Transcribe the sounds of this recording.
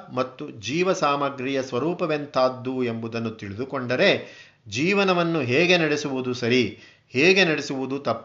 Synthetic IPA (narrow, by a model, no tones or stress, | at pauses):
mɐt̪ːud͡ʒiːʋɐsaːmɐɡɾijɐsʋɐɾuːpɐʋent̪ʰaːd̪ːue̞mbud̪ɐnːut̪iɭid̪ukoɳɖɐɾe̞ | d͡ʒiːʋɐnɐʋɐnːuɦeːɡe̞nɐɽesuʋud̪usɐɾi | heːɡe̞nɐɽesuʋud̪ut̪ɐpː